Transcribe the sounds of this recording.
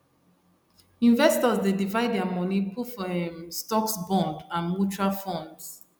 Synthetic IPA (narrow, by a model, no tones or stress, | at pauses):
ĩɱvɛstɔzdedivaɪddɛamɔnipʰufɔɛ̃mstɔksbɔ̃ndãnmut͡ʃualfɔ̃nds